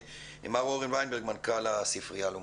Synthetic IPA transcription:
ḛmaʁoʁinvajnbeʁɡmankalasifʁijalu

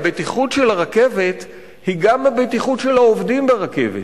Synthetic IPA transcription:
bet̪iχutʃelaʁake̞vet̪ | hiɡamabet̪iχutʃelhaovdimbeʁake̞̰vet

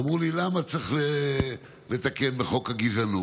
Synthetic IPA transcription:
mʁulilamat͡sʁiχle | le̞t̪ake̞nbeχo̞khaɡizanu

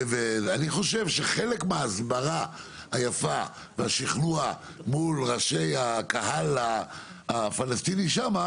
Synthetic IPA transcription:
veaniχo̞ʃe̞vʃeχe̞lekmeaːzbaʁa | hajafa | veaʃiχnua | mulʁaʃe̞jakaɦalaː | falastiniʃama

